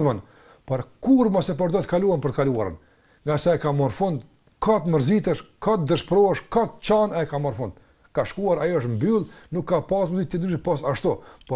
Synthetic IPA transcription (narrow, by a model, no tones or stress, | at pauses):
ðman | pɔɾkuɾmɔsɛp̬ɔɾd̪ɔt̪kaluanpəɾt̪əkalua̰ɾə̰n | ŋɡasɛɛkamɔɾfund̪ | kʰat̪məɾzit̪ɛʃkat̪d̪əʃpɾɔɛʃkat̪t͡ɕanɛkamɔɾfund̪̚ | kaʃkuaɾajɔəʃt̪mbylˠnukːapasmuzit̪ːɛnd̪yʃɛpɔs̬aʃt̪ɔpɔ